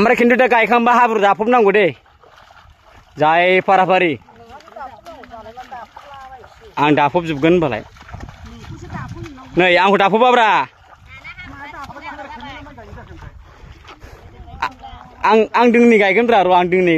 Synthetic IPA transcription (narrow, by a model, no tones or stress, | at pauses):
amɾakʰindudaɡajkʰaŋbaɦabuɾdapʰup̚naŋɡude | zajpʰaɾapʰaɾi | aŋdapʰɔp̚zup̚ɡɯnbala̰j | nɯjaŋkudapʰupabɾa | ŋaŋdɯŋniɡajɡɯnbɾaɾɔaŋdɯŋni